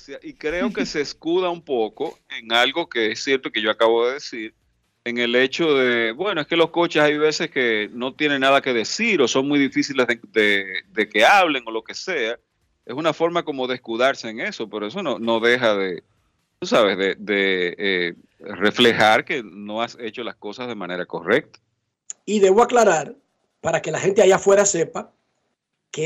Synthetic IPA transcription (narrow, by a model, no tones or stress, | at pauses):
siaʔikɾe̞oke̞seːskuðaumpo̞ko̞eŋalɣo̞ke̞esje̞ɾt̪oke̞ʝo̞akaβo̞ðeðesiɾ | eŋe̞le̞t͡ʃo̞ðe̞bwe̞no̞e̞ske̞lo̞sko̞t͡ʃesajβe̞se̞skeno̞t̪je̞ne̞ŋnaðake̞ðe̞siɾo̞so̞ŋmujðifisilezeðeðe̞ke̞aβ̞le̞ŋo̞lo̞ke̞se̞a | e̞sunafo̞ɾmako̞mo̞ðeskuðaɾse̞ːŋe̞so̞peɾoes̬o̞no̞no̞ðe̞xaðe̞ | t̪usaβe̞zðeðee | re̞fle̞xaɾke̞no̞ase̞t͡ʃo̞lasko̞sazðe̞mãne̞ɾako̞̰re̞k̚t̪ḁ | iðe̞βoaklaɾaɾ | paɾake̞lahe̞nt̪eajafwe̞ɾase̞pa | ke